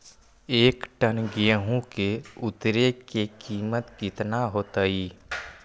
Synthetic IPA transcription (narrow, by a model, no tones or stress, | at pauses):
eːkʈənɡijəɦũkeʊt̪ɾekekiːmət̪kɪt̪naɦoːt̪əiː